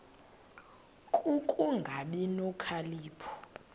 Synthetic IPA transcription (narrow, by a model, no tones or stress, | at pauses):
kʼukʼuŋɡʱaɓinɔkʰaliːpʰɔ̥